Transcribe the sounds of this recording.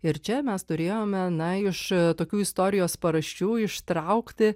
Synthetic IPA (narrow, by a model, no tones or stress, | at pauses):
ɪɾt͡ʃʲɛmʲɛst̪ʊɾʲeːjoːmʲɛnɐɪʃt̪oːkʲuːɪst̪oːɾʲɪjoːspɐɾɐʃʲt͡ʃʲuːɪʃt̪ɾɐʊkt̪ʲɪ